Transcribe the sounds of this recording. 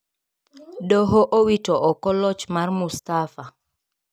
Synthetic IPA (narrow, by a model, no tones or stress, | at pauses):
dɔɦoʔowitɔʔɔkɔlɔt͡ʃmarmust̪afa